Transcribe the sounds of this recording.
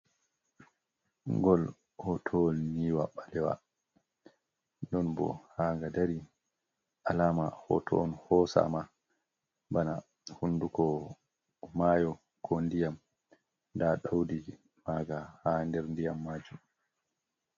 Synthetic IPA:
ŋɡɔl | hɔtʰɔlniwaɓalɛwa̰ | nɗɔnbɔ̰haŋɡadaɾi | ʔalaːmahɔ̰tʰɔ̰nhɔsa̰ma | bana̰ | hundukɔ | majɔ | kʰondijam | daɗawdi | maɡahandɛɾndijamːad͡ʒum

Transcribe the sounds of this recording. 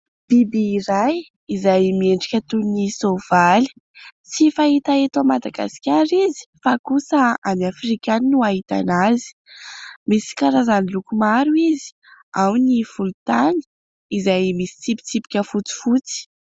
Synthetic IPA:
b̥ibiːɾaj | izajmieɳɖ͡ʐikʲət̪unisov̥ali̥ | t͡sifaɦit̪aet̪amad̪aɡa̰si̥kʲaɾizi̥fakusəanafrikʲaninuaɦit̪a̰nazi̥ | misi̥kaɾazanilukumaɾuizi̥ | awnifulut̪ani̥ | izajmisi̥t͡sipi̥t͡sipi̥kʲəfut͡si̥fut͡si̥

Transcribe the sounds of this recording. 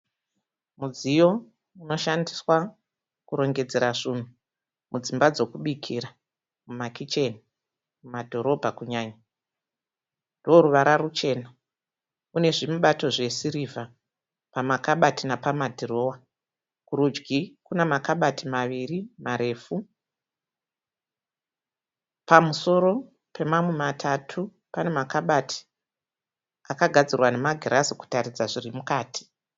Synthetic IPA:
mud͡zijo̞ | uno̞ʃandiswa | kuɾo̞ŋɡe̞d͡ze̞ɾaʐun̤u | mʔud͡zimbad͡zo̞kuɓikʰiɾa | mumakit͡ʃe̞ni | mumadʱo̞ɾo̞bʱakuɲaːɲa | ndoɾuʋaɾarut͡ʃe̞ːna | une̞ʐimuɓato̞ʐe̞siɾivʱa | pamakaɓatinapamadʱiro̞ːwa | kurud͡ʒɡikunemakaɓatʰimaʋirimaɾe̞ːfu | pamuso̞ɾo̞ | pʰe̞mamwe̞matʰatʰu | pane̞makaɓatʰi̥ | akaɡʱad͡zirwane̞maɡʱirʔasiku̥tarid͡zaʐirimukaːtʰi̥

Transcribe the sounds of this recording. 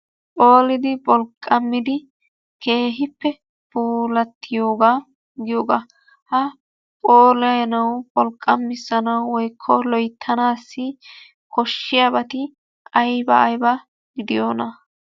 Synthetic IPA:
pʼo̞ːlɪd̪ɪbʼɔlkʼːɐmːɪd̪ɪ | ke̞ːɦɪpːɛ | puːlɐt̪ːɪjo̞ːɡaː | ɡɪjoːɡa | hɐ | pʼoːlɐjɛnɐwbʼɔlkʼːɐmːɪsːɐnɐwːɔjkʰːɔlɔjt̪ʰːɐnaːsːɪ | kɔʃːɪjabɐt̪ɪ | ɐjbɐːjbɐ | ɡɪd̪ɪjoːnɐ

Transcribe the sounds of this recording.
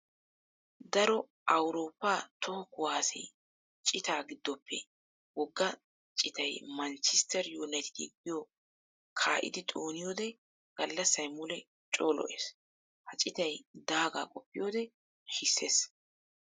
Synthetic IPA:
d̪ɐɾɔ | ʔɐwɾo̞ːpːaːt̪ʰɔhɔkʊwaːsɛ̰j | t͡ʃʼɪt̪aːɡɪd̪ːɔpʰːɛ̰ | wɔɡːɐ | t͡ʃʼɪt̪ɐjmɐnt͡ʃɪst̪ɛɾjuːnɐjt̪ɪ̥t̪ɛɡɪjɔ | kʰaːʔɪ̰d̪ɪt̪ʼoːnɪjoːd̪ɛ | ɡ̥ɐlːɐsːɐjmʊlɛ | t͡ʃʼo̞ːlɔ̰ʔeːs | hɐt͡ʃʼɪt̪ɐjd̪aːɡa̰ːkʼɔpːɪjoːd̪ɛ | ʃɪsːeːs

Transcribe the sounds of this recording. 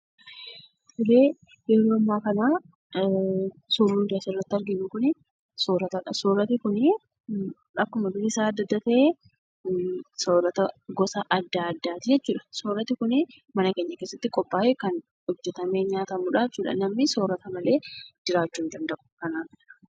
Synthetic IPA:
fʊleː | jɛɾoːɐmːaːkɐnaː | soɾund̪asrːɐt̪ːɐɾɡɪnːʊkʊnɛ | soːɾɐt̪ɐɐsoːɾɐt̪ɪkʊnɛ | ɐkːʊmɐd̪ʊɾɪsaːɐd̪ːɐd̪ːɐt̪ɐʔeː | soːɾɐt̪ɐɡɔsɐʔɐd̪ːaɐd̪ːaːt̪ɪjɛt͡ʃːuːᶑɐ̥soːɾɐt̪ɪkʊnɛ | mɐnɐke̞ːɲːɐkesːɐt̪ːɪkʼɔpːaːʔɛkɐn | hɔd͡ʒːɛt̪ɐme̞ːɲaːt̪ɐmʊᶑaːt͡ʃːuːᶑɐ̰nɐmːɪsoːɾɐt̪ɐmɐle̞ːd͡ʒɪɾaːt͡ʃːuːnd̪ɐnd̪ɐʔʊ̥kɐnaːf

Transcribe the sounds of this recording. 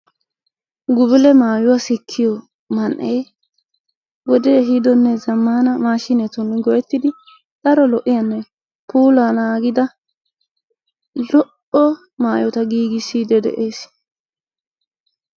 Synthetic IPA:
ɡʊbɪlɛmaːjʊwasɪkʰːɪjɔ | mɐnʔeː | wɔd̪ɛɦɪd̪ɔnːɛzɐmːaːnɐmaːʃɪnɛt̪ɔnɡɔjɛt̪ːɪd̪ɪ | d̪̥ɐɾɔlɔʔɪjɐnːɛ | pʰuːlaːnaːɡɪd̪ɐ | lɔʔ | ɔ | maːjɔt̪ɐɡiːɡɪsid̪ɛd̪ɛ̰ʔeːs

